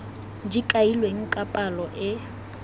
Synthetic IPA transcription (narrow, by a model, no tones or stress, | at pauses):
d͡ʒikʼailweŋ̩kʼapʼalɔʔɪ